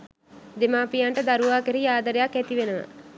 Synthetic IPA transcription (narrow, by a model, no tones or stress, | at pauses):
d̪emaːpijaɳʈəd̪aɾuʋaːkeɾiaːd̪əɾejakːɛt̪iʋenəʋə̰